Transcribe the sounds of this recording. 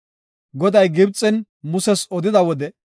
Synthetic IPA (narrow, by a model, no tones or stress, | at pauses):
ɡɔd̪ɐjɡɪbt͡sʼːɛn | mʊsɛsɔd̪ɪd̪ɐwɔd̪ɛ